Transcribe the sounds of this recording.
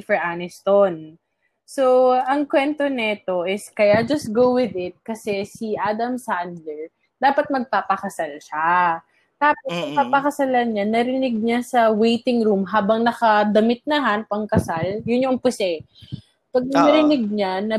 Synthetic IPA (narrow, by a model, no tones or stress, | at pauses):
fɛɹʔanɛst̪on | soɐŋkwɛnt̪onɛt̪o̞ʔɪskɐjad͡ʒɐst̪̚ɡowwɪðɪt̪̚kɐsɛsiʔaːd̪ɐmsand̪lɛl | d̪̥aːpɐt̪̚mɐɡ̚paːpɐkɐsalʃa | t̪aːposɐpapɐkɐsalɐnɲanɐɾɪnɪɡ̚ɲasɐwejt̪ɪŋɾumɦaːbɐŋnɐkɐd̪ɐmɪt̪̚nɐɦanpɐŋkɐsaljʊnjoŋpʊsɛ | pɐɡ̚nɐnɐɾɪnɪɡ̚ɲanɐ